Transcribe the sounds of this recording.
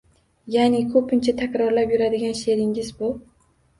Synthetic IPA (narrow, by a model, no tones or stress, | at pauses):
janɪkʰɵpɪnt͡ʃʰat̪ʰakʲɾɒɾlapjʊɾad̪ɪɡʲanʃe̞ɾɪŋɪzbʊ